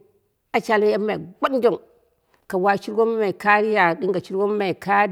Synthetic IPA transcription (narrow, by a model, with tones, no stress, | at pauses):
a˨t͡ʃa˨lma˦ja˦ma˨ɡ͡ba˦dn˦d͡ʒo˦˨ŋ | ka˨wa˦t͡ʃi˦ɾɡo˦m˦ma˨ka˦ɾi˦ja˨di˦ŋɡa˨t͡ʃi˦ɾɡo˦m˦ma˨i˨ka˦